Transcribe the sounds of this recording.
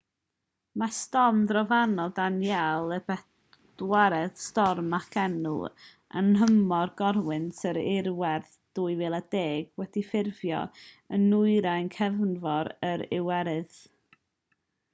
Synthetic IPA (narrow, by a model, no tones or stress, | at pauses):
mastɔmdrɔvanɔdanjalˠəb̥ɛ | d̥waɾɛðstɔrmakʰɛnʊ̰ | ʔa̰nhəmɔrɡɔɾwɪnsəɾɪɾwɛrθ | d̥uːɨveːlˠadeːɡ̥wɛdifɪrvjɔ̰ | ənʊɨɾajnkʰɛvnvɔɾəɾɪwɛɾɨð